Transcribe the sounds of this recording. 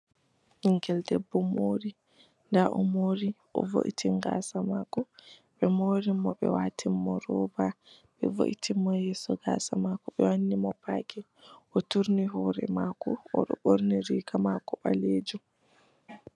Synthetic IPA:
hiŋkɛldɛbːɔmoːɾi | ndaʔɔmoːɾiʔɔ̰vo̰ʔḭtʰiŋɡa̰ːsamakɔɓɛmoɾimːɔɓɛ̰waːtʰimːɔɾɔːbaɓɛvo̰ʔitʰimːɔjɛːsɔɡa̰ːsamakɔɓɛwanːimɔpaːkɛ | ʔɔtuɾniɦɔːɾɛ̰makɔɔɗɔ̰ɓoɾniɾikamakɔɓa̰leːd͡ʒu

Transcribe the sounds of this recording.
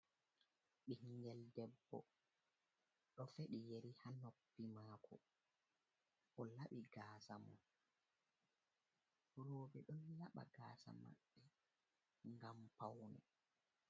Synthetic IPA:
ɓihiŋɡɛldɛbːɔ̰ | ɗɔfeɗijeɾihanopːimaːkʰɔ | ʔɔlaɓiɡaːsamɔ̰n | ɾoːɓɛɗɔnlaɓa̰ɡaːsa̰ma̰ɓːɛ | ŋɡampawnɛ

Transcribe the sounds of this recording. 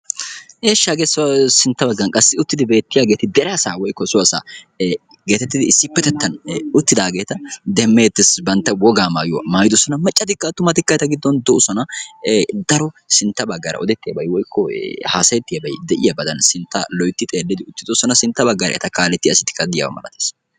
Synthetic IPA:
ʔeːʃːaːɡesɐwɐsɪnt̪ːɐbɐɡːɐnkʼɐsːɪʊt̪ːɪd̪ɪbe̞ːt̪ːɪjaːɡe̞ːt̪ɪd̪ɛɾɛasaːwɔjkːɔsʊwɐsa̰ː | ɡe̞ːt̪ɛt̪ːɪd̪ɪɪsːɪpːɛt̪ɛt̪ːɐnʊt̪ːɪd̪aːɡe̞ːt̪ɐd̪ɛmːe̞ːt̪ːɪsbɐnt̪ːɐwɔɡaːmaːjɔ̰maːjɪd̪ɔsɔnɐmɛt͡ʃʼːɐt̪ɪkːɐt̪ʊmɐt̪ɪkːɐjt̪ɐɡɪd̪ːɔnd̪ɔʔʊsɔnɐ | d̪ɐɾɔsɪnt̪ːɐbɐɡːɐɾɐ̰ʔɔd̪ɛt̪ːɪjɐ̰bɐjwɔjkːɔhaːsɐjɛt̪ːɪjɐbɐjd̪ɛʔɪjɐbɐd̪ɐnsɪnt̪ːɐ̰lɔjt̪ːɪt̪ʼeːlːɪd̪ɪʊt̪ːɪd̪ɔsɔnɐsɪnt̪ːɐbɐɡːɐɾɐ̰ʔɛ̰t̪ɐkaːlɛt̪ːɪjɐ̰sɪt̪ːɪ̥kːɐd̪ɪja̰wɐ̰mɐ̰lɐ̰t̪eːs

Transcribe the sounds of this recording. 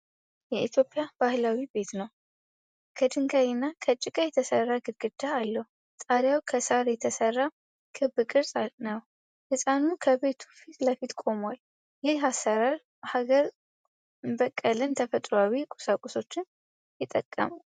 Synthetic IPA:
jɛit̪ʰjo̞pʼːɪjab̥ahlawibe̞t̪nəw | kʰəd̪ɨŋɡajɪnːakʰət͡ʃʼːɪkʼajɛt̪ʰəsərːaɡɨɾɡɨd̪aːlːəhu | t̪ʼaɾjawkʰəsaɾjɛt̪ʰəsərːa | kʰɨbːɨkʼɨɾsʼanəw | hɨsʼanukʰəbe̞t̪ʰu̥fit̪ləfit̪kʼo̞mwal | jɪɦasːəɾal | haɡəɾ | bəkʼːəlɨnt̪ʰəfət̪ʼɾoawikʼu̥sakʼuso̞t͡ʃːɪn | jɪt̪ʼːəkʼːə̰mu

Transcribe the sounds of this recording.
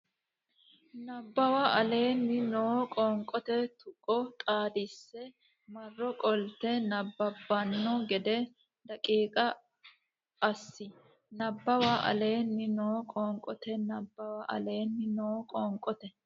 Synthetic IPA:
nɐbːɐwaɐle̞ːnːɪnoːkʼɔŋkʼɔt̪ɛt̪ʊkʼːɔt̪ʼaːd̪ɪsːɛ | mɐrːɔkʼɔlt̪ɛnɐbːɐbːɐnːɔɡɛd̪ɛ | d̪ɐkʼiːkʼɐ | ɐsːɪ | nɐbːɐwaːʔɐ̰le̞ːnːɪnoːkʼɔːŋkʼɔt̪ɛnɐbːɐwaʔɐ̰le̞ːnːɪnoːkʼɔːŋkʼɔt̪ɛ

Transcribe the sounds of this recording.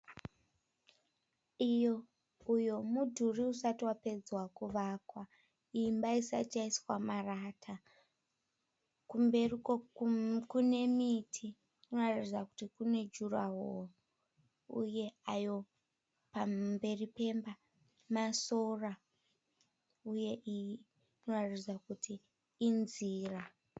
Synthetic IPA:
ijo̞ | ujo̞mudʱuriusatiwape̞d͡zwakuʋakwa | imbaisa̰t͡ʃaiswamaratʰa | kumbe̞riokune̞mitʰi | unoratid͡zaku̥tikune̞d͡ʒuraɦo | ṵje̞ajo̞ | pambe̞ripe̞mba | maso̞ra | uje̞ʔi | noratid͡zakutiː | nziːra

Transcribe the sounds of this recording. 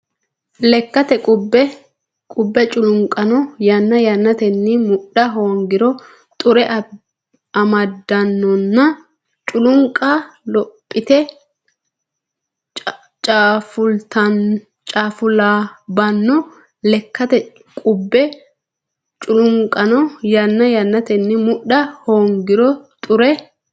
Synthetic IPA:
lɛkːɐt̪ɛkʼʊbːɛ | kʼʊbːɛt͡ʃʼʊlʊŋkʼːɐnɔjɐnːɐjɐnːɐt̪ɛnːɪmʊɗɐɦoːŋɡɪɾɔ | t̪ʼʊɾɛʔ | ɐmɐd̪ːɐnːɔnːɐ | t͡ʃʼʊlʊŋkʼːalɔpʼːɪt̪ɛ | t͡ʃʼːfʊlt̪ɐ | t͡ʃʼaːfʊlaːbɐnːɔ | lɛkʰːɐt̪ɛ | kʼʊbːɛ | t͡ʃʼʊlʊŋkʼɐnɔjɐnːɐjɐnːɐt̪ɛnːɪmʊɗɐhoːŋɡɪɾɔt̪ʼʊɾɛ

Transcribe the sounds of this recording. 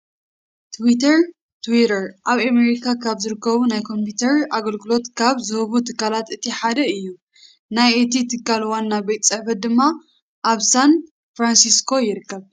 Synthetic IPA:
t̪ʰwit̪ʰɐɾ | t̪ʰwiɾɐɾʔaβame̞ɾikʰakʰaβzɨɾɨkːɐβunajkʰo̞mput̪ʰɐɾaɡɐlɡɨlo̞t̪kʰaβzɨhɨβut̪ʰɨkːalat̪ɨt̪ʰiħad̪ɐɨjːu | najet̪ʰit̪ʰɨkːalwanːabejt̪sʼɐħfɐt̪̚d̪ɨmːa | ʔːβsan | fɾansiskʰo̞jɪɾɨkʰːɐβ

